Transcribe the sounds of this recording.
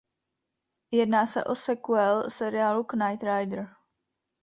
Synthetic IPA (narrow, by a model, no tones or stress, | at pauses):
jɛdnaːsɛ̰ʔosɛkuɛlsɛɾɪaːluknajt̪ɾajd̪ɾ̩